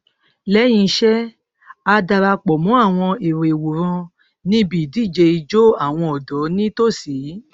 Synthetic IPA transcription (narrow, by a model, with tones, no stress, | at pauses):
lɛ˨˦j̃ĩ˧ʃɛ˦ | a˧da˧ɾa˧k͡pɔ˨mũ˨˦a˦˨w̃ɔ̃˧e˨ɾe˨wo˨ɾ̃ɔ̃˧ | nĩ˦bi˨di˦˨d͡ʒe˧i˧d͡ʒo˦a˦˨w̃ɔ̃˧ɔ˨dɔ˨˦nĩ˦to˦˨si˨˦